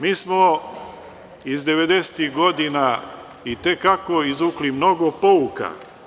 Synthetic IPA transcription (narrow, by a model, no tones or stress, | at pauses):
miːsmo | izd̪e̞ʋed̪ese̥t̪ihɡo̞d̪ina | it̪ekakoizuklimno̞ɡo̞pouka̰